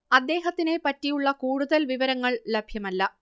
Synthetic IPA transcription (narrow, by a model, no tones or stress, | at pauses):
ɐd̪ːe̞ːɦɐt̪ːine̞pɐtːijuɭːɐkuːɽuðɐlʋiʋɐɾɐŋːɐɭlebʱjɐmɐlːɐ